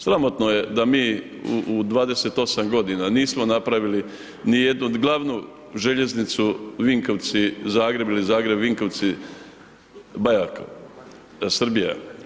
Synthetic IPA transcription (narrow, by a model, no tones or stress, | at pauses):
sɾamo̞t̪noje̞d̪amiː | uud̪ʋaːd̪eset̪o̞samɡo̞d̪inaniːsmo̞napɾaʋili | nije̞d̪nuɡlˠaʋnu | ʒeʎe̞znit̪suʋiŋkoʋt̪sizaːɡɾe̞bilizaːɡɾe̞bʋiŋkoʋt̪si | bajako̰ | sr̩bija̰